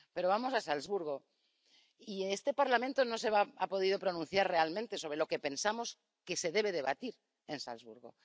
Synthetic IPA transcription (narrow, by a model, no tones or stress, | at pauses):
pe̞ɾo̞βamosasalzβuɾɣ̞o̞ | iest̪e̞paɾlament̪o̞no̞se̞βaapo̞ð̞ið̞o̞pɾo̞nũnθjaɾre̞almẽnt̪e̞so̞β̞ɾe̞lo̞ke̞pe̞nsamo̞s | ke̞se̞ðe̞β̞e̞ð̞e̞βa̰t̪iɾ | e̞nsa̰lzβuɾɣo̞̰